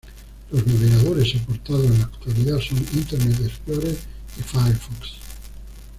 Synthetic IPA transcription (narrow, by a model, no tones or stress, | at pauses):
loznaβeɣaðoɾesepoɾt̪aðoanakt̪waliðasonint̪eɾnet̪esploɾeɾ | efajfɔks